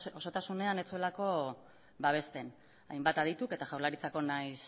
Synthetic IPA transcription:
oso̞t̪asune̞ane̞t͡sue̞lako̞ | βaβ̞e̞st̪e̞n | a̰jmbat̪að̞it̪uke̞t̪aʝawɾlaɾit͡sako̞najs

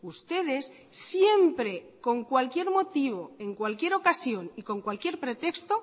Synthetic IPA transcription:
ust̪e̞ð̞e̞sː | je̞mpɾe̞ | ko̞ŋkwalkje̞ɾmo̞t̪iβo̞e̞ŋkwalkje̞ɾo̞kasjo̞niko̞ŋkwalkje̞ɾpɾe̞t̪e̞kst̪o̞

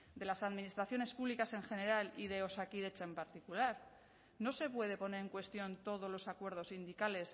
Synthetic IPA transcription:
d̪e̞lasaðminist̪ɾaθjo̞ne̞spuβlikase̞ŋxe̞ne̞ɾaliðe̞o̞sakiðet͡ʃaempaɾt̪ikulaɾ | no̞se̞pwe̞ðe̞po̞ne̞ɾe̞ŋkwe̞st̪jo̞nt̪o̞ð̞o̞zlo̞sakwe̞ɾð̞o̞sind̪ikale̞s

